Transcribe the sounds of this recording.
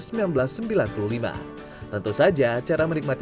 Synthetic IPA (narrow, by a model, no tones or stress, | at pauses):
səmilanbəlasːəmbilanpululima̰ | t̪ənt̪usad͡ʒat͡ʃaɾamənik̚mat̪